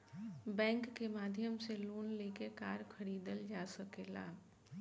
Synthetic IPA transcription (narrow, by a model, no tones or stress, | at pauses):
bɛ̃ːŋkːemad̪ʱjəmseloːnlekekaɾkʰəɾid̪əld͡ʒasəkela̰